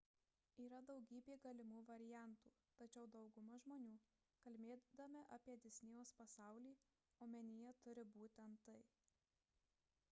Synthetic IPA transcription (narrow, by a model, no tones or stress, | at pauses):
iːɾɐd̪ɒʊɡʲiːbʲeːɡɐlʲɪmuːʋɐɾʲɪjæˑnˑt̪uː | t̪ɐt͡ʃʲɛʊd̪ɒʊɡʊmɐʒmoːnʲuː | kɐlʲmʲeːd̪ɐmʲɪʔɐpʲiɛd̪ʲɪsʲnʲɪjoːspɐsɑˑʊlʲiː | oːmʲɛnʲɪjɛt̪ʊɾʲɪbuːt̪ʲɛnt̪t̪ːɐɪ